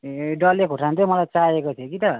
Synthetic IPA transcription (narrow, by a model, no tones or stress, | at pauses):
ɖʌlekʰoʈʰant̪ʰemʌlajt͡saekot̪ʰjokit̪ʌ